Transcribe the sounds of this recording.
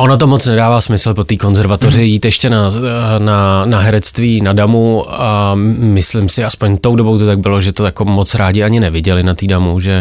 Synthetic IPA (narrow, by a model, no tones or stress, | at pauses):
ʔo̞nat̪̬o̞mot͡snɛdaːvaːsmɪsl̩po̞t̪iːko̞nzɛɾvat̪orɪjiːt̪jɛʃcɛnananaɦɛɾɛt͡st̪viːnadamuamɪslɪmsɪaspo̞ɲt̪o̞wdobo̞wt̪ot̪aɡ̚bɪloʒɛt̪ojako̞mot͡sɾaːɟɪaɲɪnɛvɪɟɛlɪnat̪iːdamuʒɛ